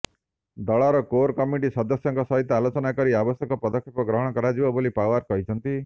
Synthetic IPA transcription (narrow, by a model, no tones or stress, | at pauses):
d̪ɔɭaɾɔkoɾkɔmiʈisɔd̪ɔsjɔŋkɔsɔɦit̪ʰjɔalot͡ʃɔnakɔɾiabɔsjɔkɔpɔd̪ɔkʰːepɔɡɾɔɦɔɽ̃ɔkɔɾad͡ʒibɔbolipaaɾkɔɦit͡ʃʰɔnt̪i